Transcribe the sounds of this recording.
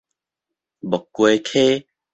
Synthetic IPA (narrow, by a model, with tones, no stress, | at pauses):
bɔ˨kːwe˧kʰe˦